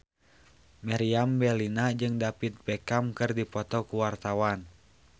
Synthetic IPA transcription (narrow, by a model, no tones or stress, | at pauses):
maɾiambɛlinad͡ʒɨŋdapit̪̚bɛkamkɨrdipɔt̪ɔkuwart̪awan